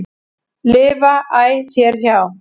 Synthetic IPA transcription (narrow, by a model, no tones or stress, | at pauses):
lɪːvaʔaːjθjɛɾ̥çaw